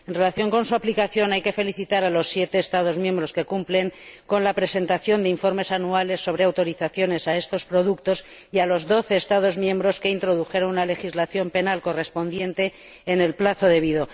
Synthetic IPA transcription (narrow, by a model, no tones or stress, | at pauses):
e̞nre̞laθjo̞ŋko̞nsuaplikaθjo̞najke̞fe̞liθit̪aɾalo̞sːje̞t̪e̞ːst̪aðo̞zmje̞mbɾo̞ske̞kumple̞ŋko̞nlapɾe̞se̞nt̪aθjo̞nd̪e̞iɱfo̞ɾme̞sanuale̞sːo̞β̞ɾe̞awt̪o̞ɾiθaθjo̞ne̞sae̞st̪o̞spɾo̞ðukt̪o̞s | ialo̞zðo̞θe̞ːst̪að̞o̞zmjẽ̞mbɾo̞ske̞int̪ɾo̞ðuxe̞ɾonunale̞xizlaθjo̞mpe̞nalko̞re̞spo̞nd̪je̞nt̪e̞ː | ne̞lplaθo̞ðe̞β̞iðo̞